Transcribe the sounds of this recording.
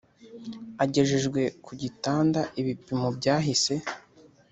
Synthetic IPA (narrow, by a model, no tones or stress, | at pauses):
aɟe̞ʒeʒɡwe̞kuɟitaːndaʔiβipimobɟaːɦise̞